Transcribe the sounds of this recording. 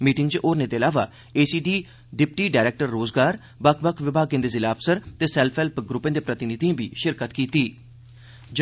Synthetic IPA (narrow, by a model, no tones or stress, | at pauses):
miːʈɪŋɡt͡ʃʔoːɾnẽːd̪eːəlaːʋaː | eːsiːɖiː | ɖɪp̚ʈiːɖaːɪɾeːk̚ʈəɾːoːzɡaːɾ | bəkʰbəkʰʋɪbʱaːɡẽːd̪eːzɪlaːpʰsəɾt̪eːsɛːlpʰɛːlpɡɾʊpːẽːd̪eːpɾət̪ɪnɪd̪ĩbiːʃɪɾkət̪kiːt̪iː | d͡ʒ